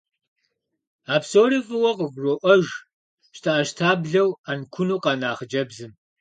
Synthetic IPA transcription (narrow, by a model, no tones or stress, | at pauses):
aːpsoːrifɨwɐqəɡʷroːʔɐʒ | ʃtʰaʔɐʃtʰaːbɮɐwankʷʰʊnuːqɑnaːχəd͡ʒɐbzɨm